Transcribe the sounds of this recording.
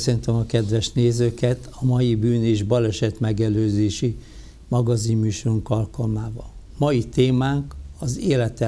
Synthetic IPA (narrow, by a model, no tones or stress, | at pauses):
øsønt̪ømɒkɛd̪ʋɛʃneːzøːkɛt̪ʰɒmɒjibyːneːʒbɒlɛʃɛt̪mɛɡɛløːzeːʃi | mɒɡɒzimmyːʃoruŋkɒlkɒlmaːvɒl | mɒjit̪eːmaːŋkɒzeːlɛt̪ɛ